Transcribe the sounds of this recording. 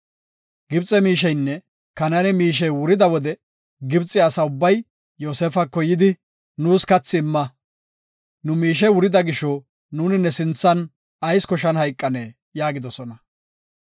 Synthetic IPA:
ɡ̥ɪbt͡sʼːɛmiːʃ̬ɛjnːɛ | kɐnɐnɛmiːʃ̬ɛjwʊɾɪd̪ɐwɔd̪ɛ | ɡɪbt͡sʼːɪjɐsɐʊbːɐj | joːsefɐkːɔjɪd̪ɪ | nuːskɐt͡sːɪːmːɐ | nʊmiːʃ̬ɛwʊɾɪd̪ɐɡɪʃɔ | nuːnɪnːɛsɪnt͡sːɐn | ɐjskɔʃɐnhɐjkʼːɐneː | jaːɡɪd̪ɔsɔnɐ

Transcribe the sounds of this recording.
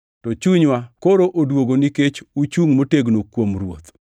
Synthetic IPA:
tɔt͡ʃuɲwakoɾoʔodwoɡoniket͡ʃut͡ʃuŋmoteɡnokwomɾwo̰t̪

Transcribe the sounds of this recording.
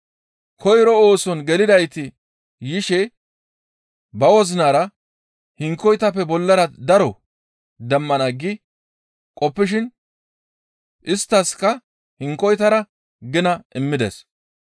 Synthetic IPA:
kʰɔjɾɔoːsɔnɡɛlɪd̪ɐjt̪ɪ | jɪʃɛ | bɐwɔzɪnaːɾɐ | hɪŋkːɔjt̪ɐpːɛbɔlːɐɾɐd̪ɐɾɔ | d̪ɐmːɐnɐɡɪ | kʼɔpːɪʃ̬ɪn | ʔɪst̪ːɐskːɐ | hɪŋkːɔjt̪ɐɾɐ | ɡɪnɐʔɪmːɪd̪ḛs

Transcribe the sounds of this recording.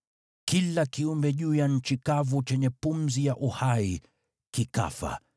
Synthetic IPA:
kilakiumbɛʄuːjaɲ̩t͡ʃikavut͡ʃɛɲɛpum̩zijaʔuhai | kika̰fa̰

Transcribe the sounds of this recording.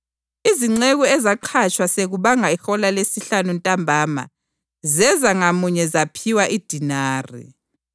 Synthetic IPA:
iziŋ͡ǀeɣuɛzaǃʰat͡ʃʼwaseɣuβaŋaixɔlalesiɬanuntʼambʱaːma̰ | zɛzaŋamuɲɛzapʰiwaʔid̥ʱinaːrḭ

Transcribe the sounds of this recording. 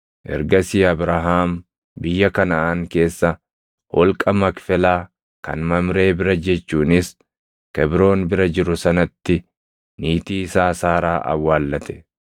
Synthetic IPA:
ʔɛ̰ɾɡɐsiːɐbɾɐɦaːm | bɪjːɐkɐnɐaŋke̞ːsːɐ | hɔlkʼɐmɐkfɛlaː | kɐ̰nmɐmɾe̞ːbɪɾɐd͡ʒɛt͡ʃːuːnɪs | kɛbɾo̞ːnbɪɾɐd͡ʒɪɾʊsɐnɐt̪ːɪ | niːt̪iːɪsaːsaːɾaːʔɐ̰wːaːlːɐt̪ɛ̥

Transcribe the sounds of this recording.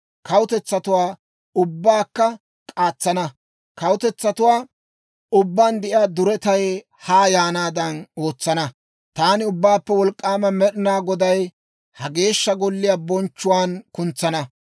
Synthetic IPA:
kɐwʊt̪ɛt͡sːɐt̪ʊwaː | ʊbːaːkːɐ | kʼaːt͡sːɐnɐ | kɐwʊt̪ɛt͡sːɐt̪ʊwaː | ʊbːaːnd̪ɛʔɪaːd̪ʊɾɛt̪ɐj | haːjaːnaːd̪ɐno̞ːt͡sːɐnɐ | t̪aːnɪʊbːaːpːɛwɔlkʼːaːmɐmɛɗɪnaːɡɔd̪ɐj | hɐɡe̞ːʃːɐɡɔlːɪjaːbɔnt͡ʃːʊwaːnkʊnt͡sːɐnɐ

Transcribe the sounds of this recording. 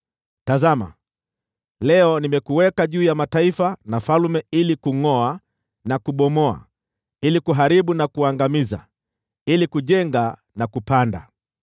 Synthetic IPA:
tazama̰ | lɛɔnimɛkuwɛkaʄuːjamataifanafalmɛilikuŋɔa | nakuɓɔmɔa̰ | ilikuɦaɾiɓunakuaŋɡamiza̰ | ilikuʄɛŋɡa | nakupanda̰

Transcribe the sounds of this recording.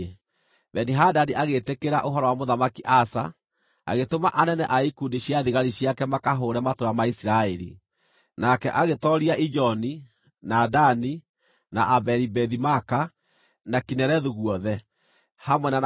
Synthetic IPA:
βɛniɦadaniaɣetekeɾaʔoɦɔɾɔwamoðamakiʔasa̰ | a̰ɣetomaʔanɛnɛʔaikundiɕjaðiɣaɾiɕjakɛmakaɦoɾɛmatoɾamaisiɾaɛɾḭ | nakɛ̰ʔaɣetɔɾiaʔid͡ʒɔni | nadani | naʔabɛɾibɛðimaka | nakinɛɾɛðuɣwɔðɛ | hamwɛnan

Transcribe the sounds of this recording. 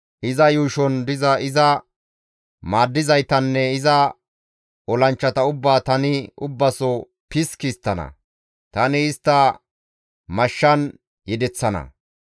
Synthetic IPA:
ʔɪzɐjuːʃɔnd̪ɪzɐɪzɐ | maːd̪ːɪzɐjt̪ɐnːɛɪzɐ | ɔlɐnt͡ʃːɐt̪ɐʊbːaːt̪ɐnɪʊbːɐsɔ | pɪskiːst̪ːɐnɐ̰ | t̪ɐnɪːst̪ːɐ | mɐʃːɐn | jɛd̪ɛt͡sːɐnɐ̰

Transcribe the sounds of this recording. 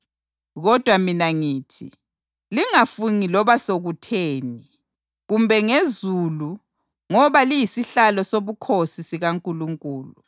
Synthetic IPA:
ɣɔd̥ʱwaminaŋiːtʰḭ | liŋafuŋilɔβasoɣutʰeːni | ɣumbʱɛŋezulu | ŋɔβalijisiɬalɔsoβukʰosisiɣaŋkʼuluŋkʼuːlu

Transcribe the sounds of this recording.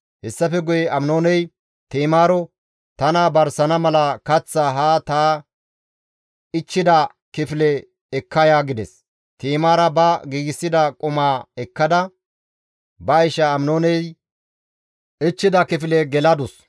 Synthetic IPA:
hɛsːɐfɛɡʊjɛʔɐmnoːnɛj | t̪iːmaːɾɔ | t̪ɐnaːbɐɾsɐnɐmɐlɐkɐt͡sːɐɦaːt̪aː | ɪt͡ʃːɪd̪ɐ | kɪfɪlɛ | ɛkːɐjaːɡɪd̪ɛs | t̪iːmaːɾɐbɐɡiːɡɪsːɪd̪ɐkʼʊmaːɛkːɐd̪ɐ | bɐɪʃɐːmnoːnɛj | ʔɪt͡ʃːɪd̪ɐkɪfɪlɛɡɛlɐd̪ʊs

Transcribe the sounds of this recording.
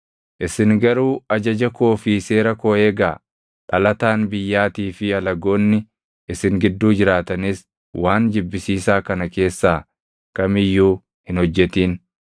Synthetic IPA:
ʔɪsɪŋɡɐɾuːɐd͡ʒɐd͡ʒɐko̞ːfiːse̞ːɾɐkoːeːɡaː | ᶑɐlɐt̪aːnbɪjːaːt̪iːfɪɐlɐɡo̞ːnːɪ | ɪsɪŋɡɪd̪ːuːd͡ʒɪɾaːt̪ɐnɪs | waːnd͡ʒɪbːɪsiːsaːkɐnɐke̞ːsːaː | kɐmɪjːuː | hɪnhɔd͡ʒːɛt̪iːn

